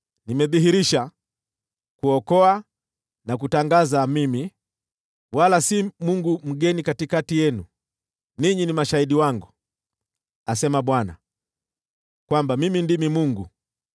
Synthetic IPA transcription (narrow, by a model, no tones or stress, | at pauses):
nimɛðiɦiɾiʃa | kuɔkɔa | nak̬utaŋɡazamimi | walasimuŋɡum̩ɡɛnikatikatijɛnu | niɲinimaʃaiɗiwaŋɡu | asɛmaɓwana̰ | kwambamimindimimuŋɡu